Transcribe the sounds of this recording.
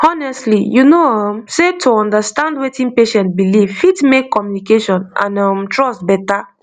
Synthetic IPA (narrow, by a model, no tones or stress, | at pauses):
ɔnɛstlijunoɔmsetʰoɔ̃ndastãndwetĩnpeʃɛ̃ntbilivfitmekkʰːɔmjunikeʃɔ̃nʔã̰nɔmtɹɔstbɛta